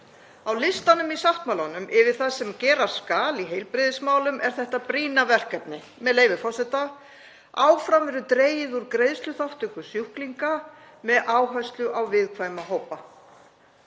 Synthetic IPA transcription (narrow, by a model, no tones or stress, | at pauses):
awlɪst̪anʏmisaht̪mawlanʏmʔɪvɪðθaðsɛmcɛːɾaɾ̥skaːliɦejlpɾɪðɪsmaːwlʏmʔɛɾ̥θɛht̪apɾiːnavɛr̥kɛpnɪ | mɛðleːjvɪfɔsɛt̪a | aːwfɾamɛɾʏt̪ɾeːjɪðuɾkɾejðst̪lʏθawht̪ʏkʏsjuhkliŋka | mɛðʔaːwɦœɥst̪lʏʔawvɪðkʰvaːjmaɦoːwpa